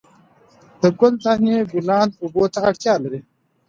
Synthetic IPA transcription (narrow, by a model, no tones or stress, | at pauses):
d̪̥əɡʊlt̪aɦeɡulãːnd̪uboːt̪aɐʈt̪jaːlɐɾi